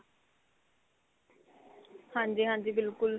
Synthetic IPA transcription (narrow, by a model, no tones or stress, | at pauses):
hãːɲd͡ʒiːɦãːɲd͡ʒiːbɪlkʊl